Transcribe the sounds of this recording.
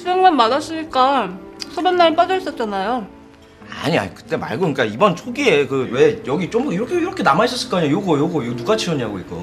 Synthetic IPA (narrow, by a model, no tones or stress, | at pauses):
ieŋmanmadas͈ɯɲik͈asʰobʌnːaip͈ad͡ʑʌs͈ʌt̚t͡ɕ͈anajo | a̰ɲia̰ɲikɯ̥t͈e̞ma̰ɭɡoik͈aibʌnt͡ɕʰoɡiekɯwe̞jʌɡit͡ɕ͈omiɾʌkʰeiɾʌkʰe̞namaiɕ͈ʰʌs͈ɯɭk͈aɲajoɡʌjoɡʌjonuɡat͡ɕʰiʌɲiaɡoḭk͈o̰